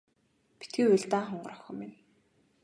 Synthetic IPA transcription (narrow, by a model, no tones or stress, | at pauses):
pi̥t̪ɡiːʊɮt̪aːχɔɴɢɞɾɔxɔ̆ːmin